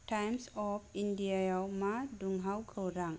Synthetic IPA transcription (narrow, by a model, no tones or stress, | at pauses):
tajmsɔp̚ʰindiajawmaduŋɦawkʰəwɾaŋ